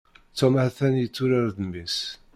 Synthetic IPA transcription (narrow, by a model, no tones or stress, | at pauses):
t͡sːæmʕθænjət͡sːuɾaɾðəmis